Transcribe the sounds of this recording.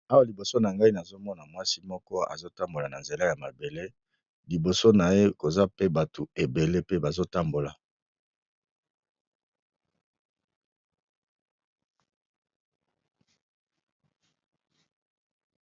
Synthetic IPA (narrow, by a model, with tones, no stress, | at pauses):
a˦wa˦˨li˨bo˨so˦na˨ŋɡa˦i˦na˨zo˦mɔ˦na˨mwa˦si˦mɔ˦kɔ˦a̰˨zo˦ta˦mbo˨la˨na˨nze˨la˦ja˨ma˨be˨le˦ | li˨bo˨so˦na˨je˦ko˨za˦pe˦ba˨tu˨e˨be˨le˦pe˦ba˨zo˦ta˦mbo˨la˨